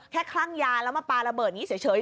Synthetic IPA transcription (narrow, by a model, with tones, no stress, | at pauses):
kʰɛː˥˩kʰlaː˥˩ŋjaː˧lɛː˦˥wma˧˩paː˧ɾa˧bɤː˨˩t̪̚ni˦˥sʰi˩˦jt͡ɕʰɤː˨˦j